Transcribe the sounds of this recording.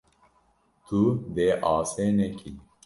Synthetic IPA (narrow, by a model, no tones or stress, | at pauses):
t̪ʰud̪eːʔɑːseːnɛkʰi